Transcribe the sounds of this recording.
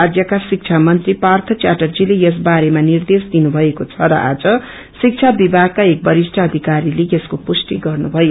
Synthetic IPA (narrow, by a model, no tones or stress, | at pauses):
ad̪jʌkasik̚t͡sʰamʌnt̪ripart̪ʰʌt͡ʃaʈʌrd͡zilejʌs̬baɾemanird̪esd̪inubʱʌekot͡sʰʌɾʌ̰ʔa̰d͡zʌ | sik̚t͡sʰabibʱaɡ̚kaek̚bʌɾisʈʰʌːd̪ʱikaɾilejeskopusʈiɡʌrnubʱʌjo